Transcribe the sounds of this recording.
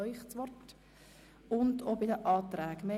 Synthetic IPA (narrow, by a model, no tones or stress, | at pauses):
œʏχt͡sʋɔrt | ʊndobɪdəʔɑːtɾæːɡme